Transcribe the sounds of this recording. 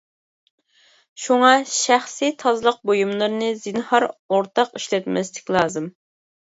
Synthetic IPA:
ʃuŋɑʃæχsit̪ʰɑzlˠəq̚bojumlˠɨɾɨnɨzɪnhɑɾoɾt̪ʰɑqiʃlɛt̪mɛst̪ɪ̥kʲlˠɑːzɨm

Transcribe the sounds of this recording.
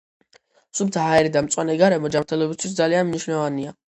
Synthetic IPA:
sub̪sʰaɦaɛɾid̪amt̪sʼwanɛɡaɾɛmɔd͡ʒamɾt̪ʰɛlˠɔbist̪ʰwisd̪zalianmniʃnavania

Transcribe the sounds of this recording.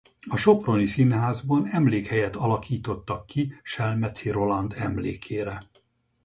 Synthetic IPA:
ɒʃo̞pro̞nisinhaːzbɒnɛmleːkhɛjɛt̪ɒlɒkiːt̪o̞t̪ːɒkːiʃɛlmɛt̪siɾo̞lɒnd̪ɛmlḛːkʰeːɾɛ

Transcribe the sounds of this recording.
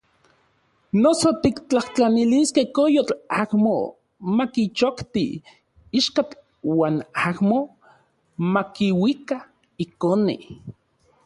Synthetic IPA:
nosot̪ikt͡ɬaht͡ɬaniliskehkojot͡ɬahmo̰ | makit͡ʃokt̪i | iʃkat͡ɬ | waːnahmo | makiwika | ikonḭ

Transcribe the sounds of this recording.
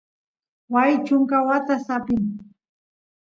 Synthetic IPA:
wajt͡ʃʊŋkawat̪asapɪŋ

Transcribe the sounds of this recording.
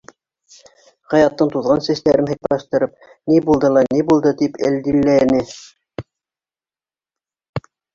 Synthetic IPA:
qɑjɑt̪ːɤɴt̪uðʁɑnsæslæɾɘnɦɤ̆j̚pɑʃt̪ɤ̆ɾɤp̚ | nibulˠd̪ɤlˠɑnibulˠd̪ɤt̪ipɘ̰ld̪ilːænɘ

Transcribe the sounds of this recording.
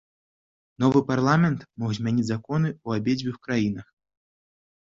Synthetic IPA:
nɔvɨparlˠamʲɛnt̪mɔɣzʲmʲanʲid͡zʲzakɔnɨuabʲed͡zʲvʲɨxkɾajinɐx

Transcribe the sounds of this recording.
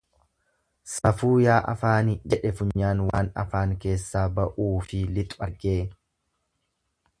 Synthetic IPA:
sɐfuːjaːʔɐfaːnɪd͡ʒɛᶑɛfʊɲːaːnwaːnɐ̰faːŋke̞ːsːaːbɐʔuːfɪlɪt̪ʼɐɾɡe̞ː

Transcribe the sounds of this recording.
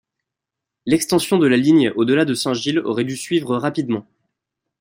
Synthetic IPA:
lɛkst̪ɑ̃sjɔ̃d̪əlaliɲod̪əlad̪əsɛ̃ʒilɔ̰ʁɛd̪ysɥivʁəʁapid̪mɑ̃

